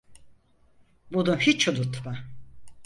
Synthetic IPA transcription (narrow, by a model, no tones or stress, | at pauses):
bud̪uhit͡ʃʰud̪ut̪ma